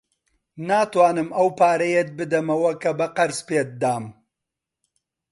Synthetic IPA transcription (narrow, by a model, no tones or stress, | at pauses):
naːt̪waːnɨmɐwpaːɾɐjet̪̚bɨd̪ɐmɐwɐkɐbɐqɐɾspeːt̪̚d̪aːm